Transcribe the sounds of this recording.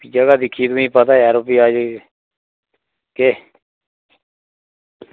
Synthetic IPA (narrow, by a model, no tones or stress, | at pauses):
piːd͡ʒəɡaːd̪ɪkʰiːt̪uĩːpət̪aːaːɾoːpiːaːd͡ʒ | keː